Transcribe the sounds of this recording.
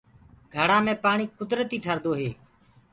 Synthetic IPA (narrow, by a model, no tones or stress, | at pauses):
ɡʱəɽãːmẽːpaːɳiːkʊd̪ɾət̪iːʈʰəɾd̪oːɦeː